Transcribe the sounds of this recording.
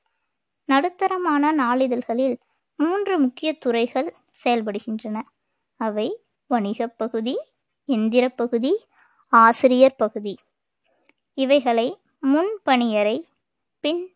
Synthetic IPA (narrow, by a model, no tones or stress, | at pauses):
nɐɽɯt̪ːɐɾɐmaːnɐnaːɭɪðɐlɣɐɭɪl | muːndrɯmʊkːɪjɐt̪ːʊrɐɪɣɐɭ | sɛjɐlp̬ɐɽɯɣɪndrɐnɐ | ɐʋɐɪ | ʋɐɳɪɣɐpːɐɣɯði | ɛnd̪ɪɾɐpːɐɣɯði | aːsɪɾɪjɐɾpɐɣɯði | ɪʋɐɪɣɐɭɐɪ | mʊnpɐɳɪjɐɾɐɪ | pɪn